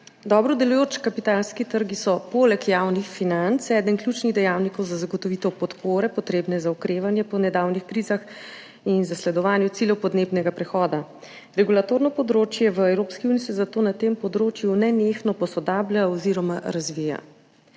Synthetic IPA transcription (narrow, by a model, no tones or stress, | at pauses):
d̪ɔːbɾɔd̪ɛlujoːt͡ʃkapit̪alskit̪əɾɡisɔpoːlɛkjawnixfinant̪sɛːd̪ənklʲjut͡ʃniɣd̪ɛjawnikɔwzazaɡɔt̪ɔʋit̪ɛpɔt̪poːɾɛpɔt̪ɾeːbnɛzaukɾeːʋanjɛpɔnɛd̪awnixkɾizax | inzaslɛd̪ɔʋaːnjɛt̪siːljɛwpɔd̪neːbnɛɡapɾɛxɔːd̪a | ɾɛɡulat̪oɾnɔpɔd̪ɾoːt͡ʃjɛʋəɛwɾopskiunisɛzat̪oːnat̪empɔd̪ɾoːt͡ʃjunɛnexnɔpɔsɔd̪aːblʲaɔziɾɔmaɾazʋija̰